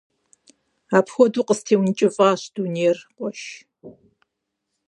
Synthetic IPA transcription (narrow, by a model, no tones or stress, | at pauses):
aːpʰxʷɔduːqʼəstʰeːwnt͡ʃʼɪfʼaːɕd̥uːneːrqʷʼɔʃ